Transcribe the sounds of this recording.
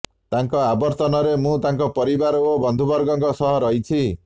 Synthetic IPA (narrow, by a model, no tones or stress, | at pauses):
t̪aŋkɔabɔɾt̪ɔnɔɾemũt̪aŋkɔpɔɾibaɾobɔnd̪ʱubɔɾɡɔŋkɔsɔɦɔɾʌɦit͡ʃʰi